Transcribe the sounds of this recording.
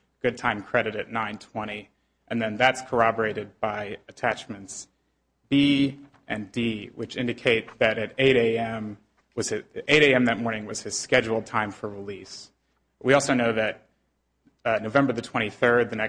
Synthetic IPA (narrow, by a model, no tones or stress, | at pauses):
ɡ̥ʊd̚tʰãɪ̃mkʰɹ̥ɛɾɨɾɨtⁿnãɪ̃ntʰw̥ɛ̃ɾ̃i | ʔɨ̃nðɨ̃nðætskʰə˞ɑbə˞eɪɾɨd̚baɪɨtʰæt͡ʃmɨ̃nts | b̥i | ʔɨ̃ndiwɨt͡ʃɪ̃ndɨkʰeɪt̪̚ðɨɾɨɾeɪɾeɪɛ̃m | wʌz̥ɨeɪɾeɪɛ̃mðɨt̚mɔɹnɪ̃ŋwʌz̥ɨz̥skɛd͡ʒul̩ˠd̚tʰãɪ̃ɱfə˞ɹilis | wiɔlˠsoʊnoʊðɨt̚ | noʊvɛ̃mbə˞ðɨtʰw̥ɛ̃ɾ̃iθɜ˞d̪̚ðɨnɛ